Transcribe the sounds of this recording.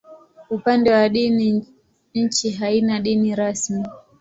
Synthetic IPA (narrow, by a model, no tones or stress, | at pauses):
upandɛwaɗini | ɲ̩t͡ʃiɦainaɗiniɾasmi